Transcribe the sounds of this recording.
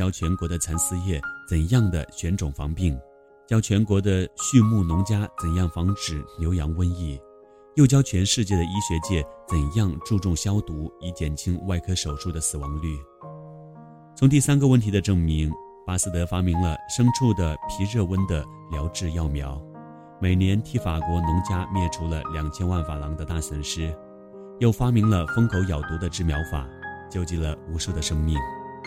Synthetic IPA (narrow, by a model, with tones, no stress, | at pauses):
t͡ɕjɑ˥ʊt͡ɕʰɥɛ˧˥nkwɔ˧˥d̪ə˧t͡sʰa˧˥nsɹ̩˥jɛ˥˩t͡sə˨˩njɑ˥˩ŋd̪ə̰˩ɕɥɛ˧˥nʈ͡ʂʊ˨˩ŋfɑ̰˧˥ŋpi˥˩ŋ | t͡ɕjɑ˥ʊt͡ɕʰɥɛ˧˥nkwɔ˧˥d̪ə˧ɕy˥˧mu˥˩nʊ˧˥ŋt͡ɕja˥t͡sə˨˩njɑ˥˩ŋfɑ˧˥ŋʈ͡ʂɻ̩˨˩njo˧˥ʊjɑ˧˥ŋwə˥ni˥˩ | jo˥˩ʊt͡ɕjɑ˥ʊt͡ɕʰɥɛ˧˥nʂɻ̩˥˧t͡ɕjɛ˥˩ɾə˩i˥ɕɥɛ˧˥t͡ɕjɛ˥˩t͡sə˨˩njɑ˥˧ŋʈ͡ʂu˥˧ʈ͡ʂʊ˥˩ŋɕjɑ˥ʊt̪u˧˥i˧˥t͡ɕjɛ˨˩nt͡ɕʰi˥ŋwa˥˩ɪkʰɤ˥ʂo˨˩ʊʂu˥˩d̪ə˩sɹ̩˨˩wɑ˧˥ŋly˥˩ | t͡sʰʊ˧˥ŋt̪̬i˥˩sa˥nɡə˨˧wə˥˩nt̪ʰi˧˥d̪ə˧ʈ͡ʂɤ˥˩ŋmi˧˥ŋ | pa˥s̩˥˩t̪ɤ˧˥fa˥mi˧˥ŋlə˧ʂɤ˥ŋʈ͡ʂʰu˥˩d̪ə˩pʰi˧˥ɻɤ˥˧wə˥nd̪ə˨ | ljɑ˧˥ʊʈ͡ʂɻ̩˥˧jɑ˥˩ʊmjɑ˧˥ʊ | me˨˩ɪnjɛ˧˥nt̪ʰi˥˩fa˨˩kwɔ˧˥nʊ˧˥ŋt͡ɕja˥mjɛ˥˩ʈ͡ʂʰu˧˥lə̰˧ljɑ˨˩ŋt͡ɕʰjɛ˥nwa˥˩nfa˨˩lɑ˧˥ŋd̪ə˧t̪a˥˩swə˧˥nʂɻ̩˥ | jo˥˩ʊfa˥mi˧˥ŋlə˧fɤ˥ŋkʰo˧˥ʊjɑ˨˩ʊt̪u˧˥d̪ə˧ʈ͡ʂɻ̩˥˩mjɑ˧˥ʊfa̰˨˩˦t͡ɕjo˥ʊt͡ɕi˧˥˩lə˨u˧˥ʂu˥˩d̪ə˩ʂɤ˥ŋmi˥˩ŋ